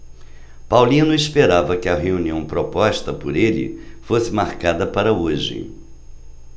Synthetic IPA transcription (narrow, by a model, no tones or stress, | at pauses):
pawlĩnʊispeɾavɐkɪɐɦeuniɐ̃w̃pɾopɔʃt̪ɐpʊɾelɪ̰fosɪmaɾkad̪ɐpaɾɐoʒɪ̰